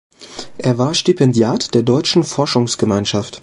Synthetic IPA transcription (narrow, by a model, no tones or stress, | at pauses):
ʔeːɐvaːɐʃtypʰɛndjaːtd̥eːɐdɔʏt͡ʃn̩fɔɐʃʊŋsɡ̥əmaɪnʃaft